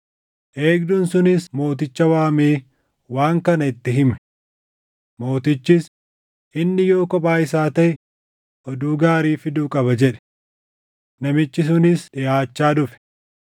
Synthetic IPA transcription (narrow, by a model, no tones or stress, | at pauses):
ʔe̞ːɡd̪ʊnsʊnɪsmo̞ːt̪̬ɪt͡ʃːɐwaːmeː | waːŋkɐnɐɪt̪ːɪɦɪmɛ̥ | mo̞ːt̪ɪt͡ʃːɪs | ʔɪnːɪjo̞ːkɔpʼaːɪsaːt̪ɐʔɪ | ʔɔd̪uːɡaːɾiːfɪd̪uːkʼɐbɐd͡ʒɛᶑɛ̥ | nɐmɪt͡ʃːɪs̬ʊnɪsᶑɪjaːt͡ʃːaːᶑʊfɛ̥